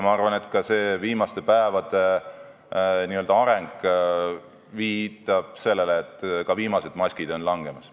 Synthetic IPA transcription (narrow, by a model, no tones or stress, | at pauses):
mɑɑrvɑne̞t̪ˑkɑse̞ːviːmɑst̪e̞pæevɑd̪̥e̞ | niøld̪̥ɑɑɾeŋɡ | viːt̪ːˑɑb̥̚se̞lːe̞leːt̪ːˑkɑviːmɑse̞d̪̥mɑsʲkid̪o̞nlɑŋɡ̥e̞mɑs